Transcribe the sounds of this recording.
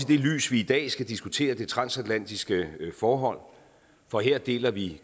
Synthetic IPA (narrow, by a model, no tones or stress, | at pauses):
id̥e̝ly̰ːsʋiːd̥ɛ̰ːsɡ̥æd̥isɡ̥ut͡sʰe̝̰ːɐd̥e̝t͡sʰʁɑ̈nsæd̥læn̰d̥isɡ̥əfɒːɦɒ̽l̰ | fɒ̽ɦeɐ̰d̥e̝̰ːlɐʋi